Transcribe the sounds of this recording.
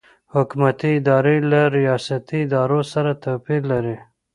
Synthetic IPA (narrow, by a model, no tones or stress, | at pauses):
hʊkmat̪iɪd̪ɑɾelaɾijɑsat̪iɪd̪ɑɾosaɾat̪apiɾlːaɾi